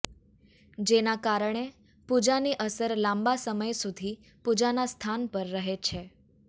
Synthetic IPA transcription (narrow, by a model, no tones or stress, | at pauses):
d͡ʒenakaɾəɳ̃e | pud͡ʒaniʔəsəɾlãmbasəməjsud̪ʱi | pud͡ʒanast̪ʰanpəɾːəɦet͡ʃʰe